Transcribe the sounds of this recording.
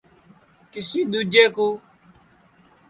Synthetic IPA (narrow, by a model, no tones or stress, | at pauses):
kɪsiːɗ̪ud͡ʒeːkuː